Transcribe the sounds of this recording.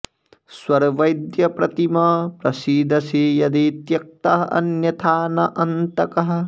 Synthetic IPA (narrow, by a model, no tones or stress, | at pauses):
swɐɾʋɐjd̪jɐpɾɐt̪imɐpɾɐsiːd̪ɐsijɐd̪it̪jɐk̚t̪ɐɦɐɐ̰njɐt̪ʰaːnɐʔɐnt̪ɐkɐɦɐ̆